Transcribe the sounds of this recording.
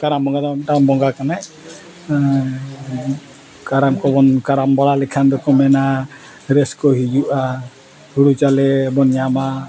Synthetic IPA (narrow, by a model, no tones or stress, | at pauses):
kaɾambɔŋɡad̪ɔɛʈabɔŋɡakanaj | kaɾamkɔbɔnkaɾambɔɭalɛkʰand̪ɔkɔmɛna | ɾɛskɔɦid͡ʒuʔa | huɽut͡ʃalɛbɔnjama